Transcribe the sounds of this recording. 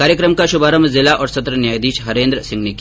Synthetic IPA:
kaːɾjəkɾəmkaʃubaːɾəmzilaʔɔːɾsɐt̪ɾənjaːjd̪iːʃɦɐɾẽːnd̪ɾəsiŋɡnik

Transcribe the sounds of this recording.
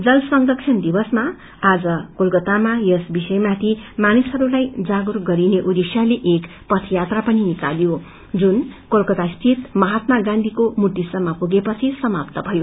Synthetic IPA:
d͡zʌlsʌŋd̪ʌksʰind̪ibʌsma | ad͡zʌkolkʌt̪amajʌsbisʌjmat̪ʰimanisɦʌɾulajd͡zaɡurɡʌɾineʔud̪isjaleʔek | pʌt̪ʰjat̪rapʌninika̰ljo | d͡zunkolkʌt̪ast̪it̪mʌɦat̪maɡãnd̪ʱikomuʈ̪ːisʌmːapuɡepʌt͡sʰisʌmapt̪ʌbʱʌjo

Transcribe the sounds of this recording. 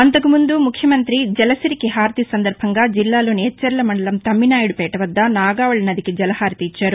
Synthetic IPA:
ɐnt̪ɐkumund̪umukʰjɐmɐnt̪ɾid͡ʒɛlɐsɐɾikiɦaːɾt̪isɐnd̪ɐɾbʱɐŋɡaːd͡ʒilːaːlo̞ːnit͡ʃːɐɾlɐmɐɳɖɐlɐmt̪ɐmːinaːjuɽupɛːʈɐʋɐd̪ːɐnaːɡaːʋɐɭɐnɐd̪ikid͡ʒɐlɐhaːɾt̪iːt͡ʃːaːɾu

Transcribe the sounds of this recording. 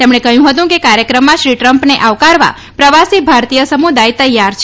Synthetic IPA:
t̪emɳ̃ekəɦjũɦət̪ũkekaɾjəkɾəmːãʃɾiʈɾəmpneʔaʋkaɾʋa̰ | pɾəʋasibʱaɾt̪ijəsəmud̪ajt̪əjːaɾt͡ʃʰ

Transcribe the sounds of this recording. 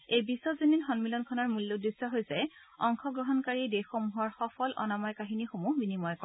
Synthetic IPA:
ejbisːɔzininxɔnmilɔnkʰɔnɔɹmulːudɹisːɔɦojsɛ | ɔŋxʰɔɡɹɔɦɔnkaɹidexomuɦɔɹxɔpʰɔlʔɔ̰namɔjkaɦinixomubinimɔjkɔ

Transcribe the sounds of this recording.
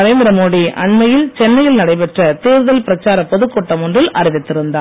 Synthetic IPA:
ɐɾeːnd̪ɪɾɐmoːɽiʔɐɳmɐjɪlt͡ʃɛnːɐjɪlnɐɽɐɪpɛʈrɐt̪eːɾɯðɐlpɪɾɐt͡ʃːaːɾɐpɔðɯkːɔʈːɐmɔndrɪlʔɐɾɪʋɪt̪ːɪɾɯnd̪aː

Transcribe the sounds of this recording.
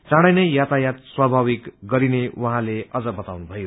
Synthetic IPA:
t͡saɽ̃ʌjnʌjjat̪ajat̪swabʱaβikɡʌɾinewʔʌɦãleʌd͡zʌbʌt̪awnubʱʌjo

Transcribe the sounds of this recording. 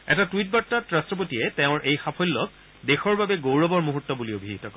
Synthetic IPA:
ɛ̰tatwit̚batːatɹastɹɔp̬otiɛteʊ̃ɹʔejxapʰojlːɔk | dexɔɹbabɛɡowɹɔbɔɹmuɦutːɔbuliobʱiitɔkɔ

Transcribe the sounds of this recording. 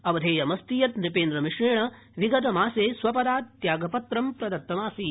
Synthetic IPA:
ɐʋɐd̪ʱeːjɐmɐst̪ijɐt̪nipeːnd̪ɾɐmiʂɳeːɳɐ | ʋiɡɐt̪ɐmaːseːsʋɐpɐd̪aːt̪ːjaːɡɐpɐt̪ɾɐmpɾɐd̪ɐt̪ːɐmaːsi

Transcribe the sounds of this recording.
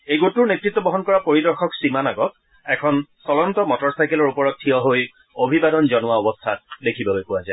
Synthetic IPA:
ejɡotuɹnetɹitːwɔbɔɦɔnkɔɹapoɹidɔɹxʰɔksɹimanaɡɔt | ɛkʰɔnsɔlɔntɔmɔtɔɹsajkɛlɔɹupɔɹɔtʰːiɔɦoj | obʱibadɔnzɔnʊwaɔbɔstʰatdekʰibɔlojpʊwazae

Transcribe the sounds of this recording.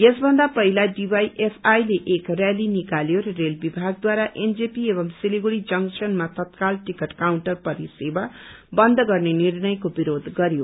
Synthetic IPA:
jesbʱʌnd̪apʌɦilaɖibajʔepʰajleʔekralinikaljoɾʌrelbibʱaɡ̚d̪waɾaʔend͡zepiebʌmsiliɡuɽid͡zʌŋsʌnmat̪ʌt̪kalʈikʌʈkawɳʈʌrpʌɾiseba | bʌnd̪ʱɡʌrnenirnʌjkobiɾod̪ʱɡʌɾjo

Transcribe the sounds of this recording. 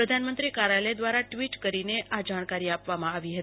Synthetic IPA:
ɾəd̪ʱanmənt̪ɾikaɾaled̪ʋaɾaʈʋiʈkəɾineʔad͡ʒaɽ̃kaɾiapʋamãaʋiɦət̪i

